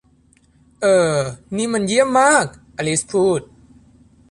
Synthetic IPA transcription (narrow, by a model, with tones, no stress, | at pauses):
ʔɤː˧˩niː˧˥ma˧nji˥˩əmːaː˥˩k̚ʔa˧˩li˦˥spʰuː˥˩t̪̚